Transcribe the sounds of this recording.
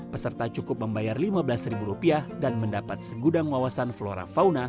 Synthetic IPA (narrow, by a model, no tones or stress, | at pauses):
pəsərt̪at͡ʃukʊp̚məmbajarlimabəlasɾibuɾupiadanməndapat̪̚səɡudaŋwawasanfloɾa̰fawna